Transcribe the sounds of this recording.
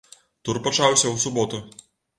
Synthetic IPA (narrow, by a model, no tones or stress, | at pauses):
t̪uɾpɔt͡ʃawsʲɐwsʊbɔt̪ʊ